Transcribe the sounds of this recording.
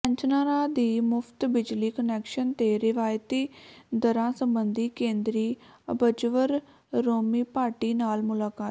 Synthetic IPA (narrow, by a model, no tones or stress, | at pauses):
pə̃ɲt͡ʃnaːɾaːd̪iːmʊpʰt̪bɪd͡ʒliːkənɛːkʃənt̪eːɾɪʋaːjt̪iːd̪əɾãːsəmbənd̪iːkẽːnd̪ɾiː | əbəd͡ʒʋəɾː | oːmiːpaːɾʈiːnaːlmʊlaːkaːt̪